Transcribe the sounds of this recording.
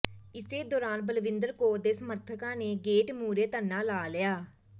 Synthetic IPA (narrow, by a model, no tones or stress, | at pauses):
ɪseːd̪ɔːɾaːnbəlʋɪnd̪əɾkoːɾd̪eːsəməɾt̪ʰəkãːneːɡeːʈmuːɾeːt̪ənːãːlaːlɪjaː